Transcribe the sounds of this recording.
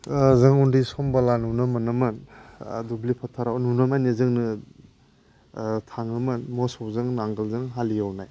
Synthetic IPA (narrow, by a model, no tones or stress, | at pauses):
zɯŋundisɔmbalanunamɯnɯmɯndublipʰatʰaɾawnunamanizɯŋnɯ | tʰaŋɯmɯnmɔsɔwzɯŋnaŋɡɯlzɯŋɦalijawnaj